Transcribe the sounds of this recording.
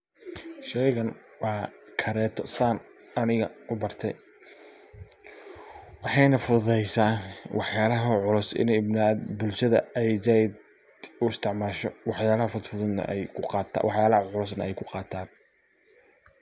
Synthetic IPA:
ʃɛjɣɐnwɑːkʰɐɾɛːt̪ʰɔsaːn | ɐnɪɣɐ̰ʊbɐrt̪ʰɛj | wɑħɑjnɐfʊðɛjsaːnwɑħjaːlɐɦɐʕʊlʊsɪ̰nɛɪbnad̪bʊlʃɐðɐ̰ɛjzaːjɪd̪ | ʊɪst̪ʰɪʕmaːʃɔwɑħjaːlɐhɐfʊd̪fʊðʊnnːɐ̰ʔɛjkʰʊqɑːt̪ʰːwɑħjaːlɐhɐʕʊlʊs̬nɐʔɛjkʰʊqɑːt̪ʰaːn

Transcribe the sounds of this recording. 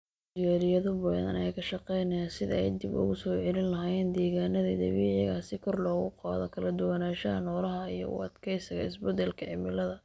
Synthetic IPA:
dɪjaːɾɪjɐðɔbɐðɐ̰nɛjkʰɐʃɑqɛjnɐasɪðɛ̰jd̪ɪbʊ̰ɣʊsɔːʕɛlɪnlɐɦaːjɛːnd̪ɛːɣaːnɐðḭd̪ɐβiːʕɪɣaːsɪkʰɔrlɔːɣʊqɑ̰ːðɔkʰɐlɐd̪ʊwɐnaːʃɐɐnɔːlɐɦɐijɔ̰ʊ̰ɑ̰d̪kʰɛjsɐɣɐɪsbɛd̪ɛlkʰɐʕɪmɪlɐðɐ

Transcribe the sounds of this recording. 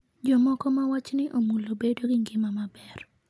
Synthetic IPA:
d͡ʒɔmɔkɔmawat͡ʃnɪʔomulobedoɡɪŋɡɪmamabɛr

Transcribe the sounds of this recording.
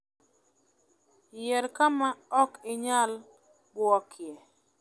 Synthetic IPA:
jɛɾkamaɔkɪɲal | ɡwɔkʰjɛ

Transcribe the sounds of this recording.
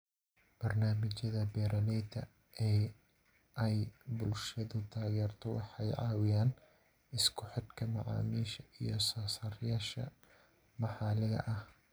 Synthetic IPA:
b̥ɐrnaːmɪt͡ʃɐðɐbɛːɾɐlɛd̪ɐ̰ | ʔɛ | ɛjbʊlʃɐðʊt̪ʰaːɣɛːrt̪ʰɔwɑ̰ħɑjʕɑ̰ːwɪjaːn | ɪskʰʊħɪd̪kʰɐmɑʕɑ̰ːmiːʃɐʔijɞsɐːsɐrjaːʃɐ̰ | mɑħɑːlɪɣɐ̰ʔɐh

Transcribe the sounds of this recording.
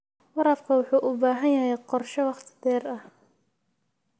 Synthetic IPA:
wɑɾɐfkʰɐwʊħuːʔʊbaːɦɐnjɐɦɛjqɔrʃɔwɑχt̪ʰɪ̥d̪ɛːrɐh

